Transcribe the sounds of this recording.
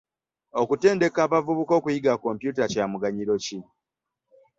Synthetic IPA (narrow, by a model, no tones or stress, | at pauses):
o̞kute̞ːnde̞kaːβavuβuko̞ːkujiɡako̞mpjuːtacaːmuɡaɲiɾo̞ci